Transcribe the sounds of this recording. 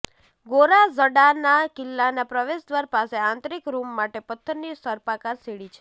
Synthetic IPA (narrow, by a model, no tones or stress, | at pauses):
ɡoɾazəɽanakɪlːanapɾəʋeʃd̪ʋaɾpaseãnt̪ɾikɾumːaʈepət̪ʰːəɾnisəɾpakaɾseɽit͡ʃʰe̥